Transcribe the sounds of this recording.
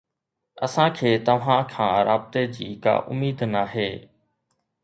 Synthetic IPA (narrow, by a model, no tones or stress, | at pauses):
ɐ̰sãkʰeːt̪ɐʋ̤ãkʰãːɾa̰ːbɪt̪ed͡ʑiːka̰ːʔʊmiːd̪naɦeː